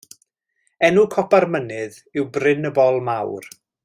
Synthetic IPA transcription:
ɛnukʰɔparmənɨð | ɪwbrɪnəbɔlˠmawr

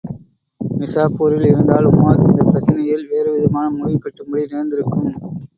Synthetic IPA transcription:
mɪsaːpoːɾɪlɪɾɯnd̪aːlʊmːaɪnd̪ɐpɪɾɐt͡ʃːɐnɐjɪlʋeːɾɯʋɪðɐmaːnɐmʊʋikːɐʈːɯmbɐɽinɪɾɐnd̪ɪɾɯkːɯm

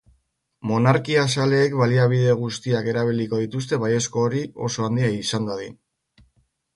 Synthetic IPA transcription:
mo̞naɾkias̬ale̞ːkβaliaβ̞iðe̞ɣ̞ust̪iake̞ɾaβ̞iliko̞ð̞it̪us̬t̪e̞βaje̞sko̞ːɾio̞̰so̞and̪iaisand̪aðin

